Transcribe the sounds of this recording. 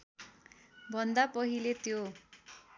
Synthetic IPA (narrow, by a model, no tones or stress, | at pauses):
bʱʌnd̪apʌɦilet̪jo